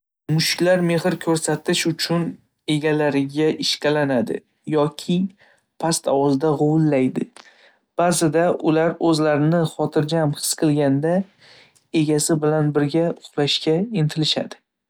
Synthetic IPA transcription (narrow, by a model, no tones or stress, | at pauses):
mʊʃkʲlaɾme̞hɪɾkʲʰɵɾsat̪ɪʃʊt͡ʃʰʊn | e̞ɡʲalaɾɪɡʲaʔɪʃkʲalanad̪ɪ̰ | jɒkʲʰɪ | pʰast̪awɒzd̪aʁowʊlːajd̪ɪ | b̥azɪd̪aʔʊlaɾɵzlaɾɪnɪχɒt̪ʰɪɾd͡ʒaamhɨ̥sqʰɨlˠɡʲand̪a | e̞ɡʲasɪbɪlanbɪɾɡʲaʊχɾaʃkʲaɪnt̪ʰɪlɪʃa̰d̪ɪ